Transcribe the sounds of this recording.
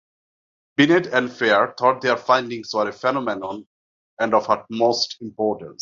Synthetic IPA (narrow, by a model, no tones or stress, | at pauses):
b̥ineʈɛ̃nfeəɾt̪ʰɔːʈ̚d̪eəɾfãɪ̃nɖĩŋsʋəɾefɛnɔmɛnɔ̃n | ɛ̃ɳɖɔfhət̚moːsʈĩmpɔːʈə̃ns